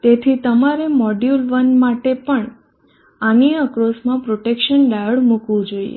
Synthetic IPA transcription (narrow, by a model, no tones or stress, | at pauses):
t̪et̪ʰit̪əmaɾemɔɖjulʋənmaʈepəɳ | aniəkɾosmãpɾoʈekʃənɖaəɭmukʋũd͡ʒoiḛ